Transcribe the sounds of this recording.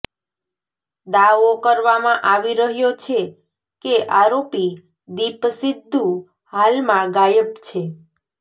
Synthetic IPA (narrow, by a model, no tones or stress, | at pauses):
d̪aʋokəɾʋamãʔaʋiɾəɦjot͡ʃʰe | keʔaɾopi | d̪ipəsid̪ʱːu | halmãɡajəpt͡ʃʰe